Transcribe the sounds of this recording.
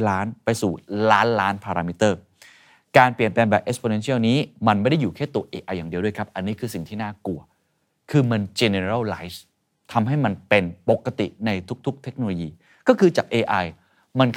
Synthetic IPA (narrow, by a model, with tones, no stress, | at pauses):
laː˦˥npa˧jsuː˨˩laː˦˥nlaː˦˥npʰaː˧ɾaː˧mi˦˥t̪ːɤː˥˩ | kaː˧nplənplɛː˧nbɛː˨˩pʔe˦˥spʰoː˧ne˧nsi˥˩əwniː˦˥ma˧nma˥˩jda˥˩juː˨˩kʰɛː˥˩t̪u˧ɐʔeː˧ʔa˧jːaː˨˩di˧ədu˥˩əkʰa˦˥p̚ʔa˧nːiː˦˥kʰɯː˧si˨˩ŋt̪ʰiː˥˩naː˥˩ku˧ɐ | kʰɯː˧ma˧nt͡ɕe˧ne˧ɾa˥˩wla˦˥js | t̪ʰa˧mɦa˥˩jma˧npe˧npo˨˩kːa˧t̪ḭ˨˩ʔna˧jt̪ʰu˦˥k̚t̪ʰu˦˥k̚t̪ʰe˦˥k̚noː˧loː˧jiː˧ | kɔː˥˩kʰɯː˧t͡ɕaː˨˩k̚ʔeː˧ʔa˧j | ma˧nk